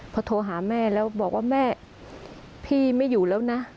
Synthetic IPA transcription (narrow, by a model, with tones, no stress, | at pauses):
pʰɔː˧t̪ʰoː˧ɦaː˩˦mɛː˥˩lɛː˦˥wbɔː˨˩k̚waː˥˩mɛː˥˩ | pʰiː˥˩ma˥˩jːuː˨˩lɛː˦˥wna˦˥